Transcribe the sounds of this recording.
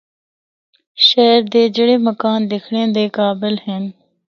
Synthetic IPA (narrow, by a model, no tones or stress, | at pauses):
ʃɛːɾd̪eːd͡ʒɪɽeːməkaːnd̪ɪkʰɽẽːd̪eːkaːbɪlɦɪn